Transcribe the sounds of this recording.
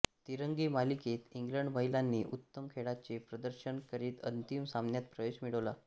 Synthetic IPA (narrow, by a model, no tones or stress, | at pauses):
t̪iɾəŋɡiːmaliket̪iŋɡləɳɖməɦilanːiːʔut̪ːəmkʰeɽat͡ɕepɾəd̪əɾɕənkəɾiːt̪ə̰nt̪imsamnjat̪̚pɾəʋeɕmiɭəʋla